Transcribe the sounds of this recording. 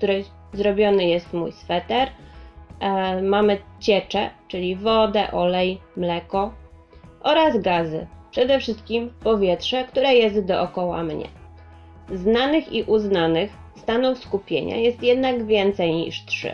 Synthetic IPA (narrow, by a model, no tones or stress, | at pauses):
kt̪uɾɛ | zɾɔbʲjɔnɘjɛst̪mṵjsfɛt̪ɛɾ | mamɘt͡ɕɛt͡ʂɛt͡ʂɘlʲivɔd̪ɛʔɔlɛjmlɛkɔ | ʔɔɾazɡazɘ̰pʂɛd̪ɛfʂɘst̪̚kʲimpɔvʲjɛtʂɛkt̪uɾɛjɛst̪d̪ɔʔɔkɔwa̰mɲɛ̰ | znanɘxiʔuznanɘx | st̪anuwfskupʲjḛɲa̰jɛst̪jɛd̪naɡvʲjɛnt̪sɛjɲḭʂtʂɘ̰